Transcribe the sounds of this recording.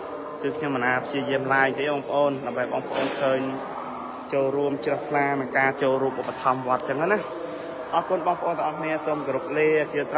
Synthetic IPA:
kɨːkʰɲomːənʔaːpʰt͡ɕiəjiəmlaəŋt̪eːɓɑːŋpə̆ʔoːnɗaəmɓəjɓɑːŋpə̆ʔoːnkʰəːɲ | t͡ɕoːlruəmt͡ɕrəhkʰlaːnɨŋkaːt͡ɕoːlruəpʔupːɑt̪ʰɑmʋŏət̪̚t͡ɕəŋːənah | ʔɑːkuənɓɑːŋpə̆ʔoːnt̪əŋʔɑhkʰniəsoːmkoɾup̚leːt͡ɕiəs

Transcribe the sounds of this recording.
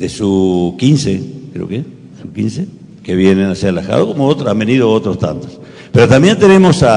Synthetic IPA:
d̪esukinsekɾḛo̰ke | sukḭnse | keβjenenasealaxa̰ðokomoot̪ɾoambeniðoot̪ɾost̪a̰nt̪o̥s | peɾot̪ambje̞nt̪ene̞mo̞sa

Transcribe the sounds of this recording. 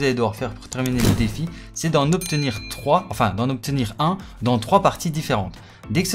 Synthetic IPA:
zaled̪əvwaʁfɛʁpuʁt̪ɛʁmineləd̪efi | sɛd̪ɑ̃nɔp̚t̪əniːʁt̪χwaɑ̃fɛ̰̃d̪ɑ̃nɔp̚t̪əniʁɛ̃ | d̪ɑ̃t̪χwapaʁt̪id̪ifeʁɑ̰̃t̪ | d̪ekəs

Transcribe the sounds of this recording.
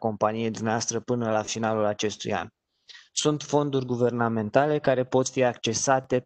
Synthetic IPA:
ko̞mpanije̞jd̪umneaast̪ɾəpɨnəlafinalulat͡ʃe̞st̪ṵja̰n | sunt̪fo̞nd̪urʲɡuve̞rname̞nt̪ale̞kaɾe̞po̞t̪fiakt͡ʃe̞sat̪e̞

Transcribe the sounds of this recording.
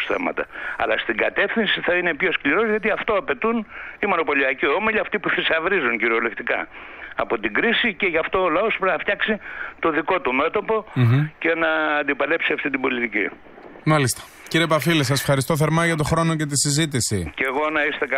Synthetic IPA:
sḛmɐ̰t̪ɐ̰ɐ̰lɐst̪iɡɐt̪e̞fθinsiθɐine̞pço̞skliɾo̞zʝɐt̪iɐft̪o̞ɐpe̞t̪unimo̞no̞po̞liɐciomeʎiɐft̪ipuθisɐvɾizuŋciɾo̞le̞kt̪ikɐ̰ɐ̰po̞t̪iɡɾisice̞ʝɐft̪o̞ːlɐo̞spɾenɐft̪çɐksit̪o̞ðiko̞t̪ume̞t̪o̞po̞ce̞nɐːnd̪ipɐle̞psiɐft̪it̪ibo̞lit̪icḭ | mɐlist̪ɐ̥ | ciɾiepɐfiles̬ɐse̥fxɐɾist̪o̞θeɾmɐʝɐt̪̬o̞xɾo̞no̞ce̞t̪̬isizit̪̬isiceɣo̞nɐist̪e̞kɐ

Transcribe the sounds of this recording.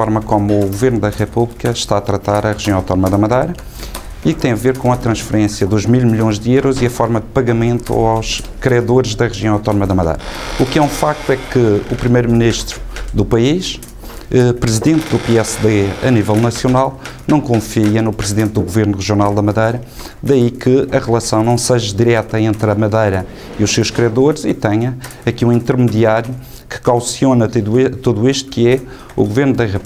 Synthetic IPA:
fɔɾmɐkomuːɣuveɾnuðɐʁɛpuβlˠikɐʃt̪aɐt̪ɾɐt̪aɾɐʁɨʒijɐ̃w̃awt̪ɔnumɐðɐmɐðɐjɾɐ | ik̚t̪ɐ̃j̃ɐveɾkõɐt̪ɾɐ̃ʃfɨɾẽsjɐðuʒmilˠmiʎõj̃ʒd̪ɨewɾɔziɐfɔɾmɐd̪ɨpɐɣɐmẽnt̪ṵawʃ | kɾiɐðoɾʒðɐʁɨʒijɐ̃w̃awt̪ɔnumɐðɐmɐðɐ̰jɾɐukɛũfak̚t̪wɛkɨupɾimɐjɾuminiʃt̪ɾuðupɐiʃ | ɛpɾɨziðẽnt̪d̪upeɛsðeɐnivɛlˠnɐsjunalˠnɐ̃w̃kõfiɐnupɾɨziðẽnt̪̚d̪uɣuveɾnuʁɨʒiunalˠd̪ɐmɐðɐjɾɐ | d̪ɐikɨɐʁlˠɐsɐ̃w̃nɐ̃w̃sɐʒɐðiɾɛt̪ɐẽnt̪ɾɐmɐðɐjɾɐ | iuʃsewʃkɾiɐðoɾzit̪ɛɲɐɐkiũĩnt̪ɨɾmɨðiaɾju | kɨ̥kawsionɐt̪uðuiʃt̪u̥kɨɛ | uɣuveɾnuðɐʁɐp

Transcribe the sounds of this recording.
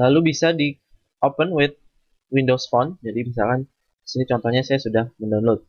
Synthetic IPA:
lalubisadi | opənwɪt̪̚ | windosfɔnd͡ʒadimis̬a̰lkan | isinit͡ʃɔnt̪ɔhɲasajasudahməndawnlot̪̚

